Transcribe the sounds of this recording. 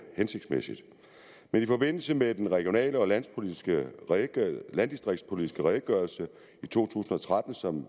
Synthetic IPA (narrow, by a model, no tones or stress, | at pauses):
hense̝ɡ̥d̥smesid̥ | menifɒ̽b̥e̝n̰l̩səmed̥enʁɛɡ̥io̝nɛ̰ːləɒ̽læn̰spʰo̝lidɡ̥ə | lænd̥isd̥ʁeɡ̥̚d̥spʰo̝lid̥isɡ̥əʁɛɪɡ̥ɶɐlsə | it͡sʰo̝̰ːt͡sʰṵːsn̩ɒ̽t͡sʰʁad̥n̩sɒ̽m